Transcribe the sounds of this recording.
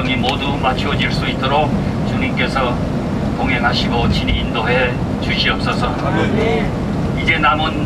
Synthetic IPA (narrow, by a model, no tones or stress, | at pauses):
ʌŋimodumat͡ɕʰuʌd͡ʑiɭs͈uit͈oɾok̚ | t͡ɕuɲimk͈e̞sʰʌ | toŋɦe̞ŋɦaɕʰiɡot͡ɕiniːndoɦe̞ | t͡ɕuɕʰiʌp̚s͈ʌsʰʌ | id͡ʑe̞namon